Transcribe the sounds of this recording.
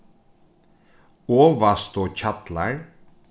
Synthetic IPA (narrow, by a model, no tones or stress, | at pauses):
oːʋɑst̪oːc͡çɑt̪laɹ